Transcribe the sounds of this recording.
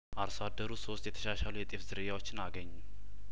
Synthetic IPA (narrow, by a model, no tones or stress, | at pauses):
ʔaɾsad̪ːəɾuso̞st̪jɛt̪ʰə̥ʃaʃalujɛt̪ʼefzɨɾɨjawot͡ʃːɪnaɡəɲːum